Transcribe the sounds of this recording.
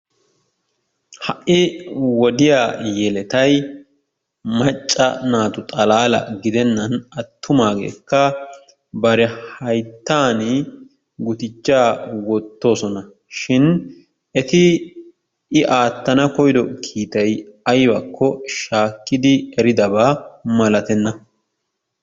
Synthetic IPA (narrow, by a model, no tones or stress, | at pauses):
hɐʔːɪwɔd̪ɪjaːjɛlɛt̪ɐj | mɐt͡ʃʼːɐnaːt̪ʊt̪ʼɐlaːlɐ̰ɡɪd̪ɛnːɐnɐt̪ʰːʊmaːɡḛːkːɐ | bɐɾɛhɐjt̪ːaːnɪ | ɡʊt̪ɪt͡ʃːaːwɔt̪ːo̞ːsɔnɐ | ʃɪn | ɛt̪ɪ | ɪʔaːt̪ːɐnɐkɔjd̪ɔkʰiːt̪ɐjɐjbɐkʰːɔʃaːkːɪd̪ɪɛɾɪd̪ɐbaːmɐlɐt̪ɛnːɐ